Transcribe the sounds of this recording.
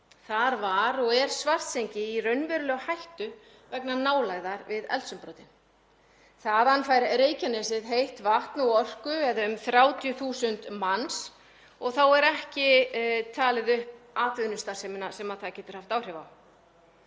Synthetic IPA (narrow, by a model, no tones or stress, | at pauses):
θaɾvaɾɔɣɛɾ̥svar̥t̪sejɲcɪirœɥnvɛɾʏlœɣhajht̪ʏ | vɛknanaːwlaɣðaɾvɪðɛ̰lt̪sʏmpɾoːwt̪ɪn | θaðanːfajɾɪɾeːjcanɛsɪðɦejht̪vaht̪naɔr̥kʏɛðaʏmθɾjaːwt̪ʰjʏθuːsʏnt̪mans | ɔɣθawɛɾɛhcɪt̪ʰaːlɪðʏhp̚aːt̪vɪðnʏst̪arsɛːmɪnasɛmaðθaðcɛːt̪ʏɾ̥haft̪aːwr̥javaw